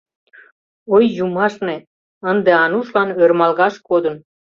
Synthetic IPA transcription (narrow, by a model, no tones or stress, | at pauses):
ojːumɑʃne | ənd̪eɑnuʃlɑnørmɑlɣɑʃkod̪ən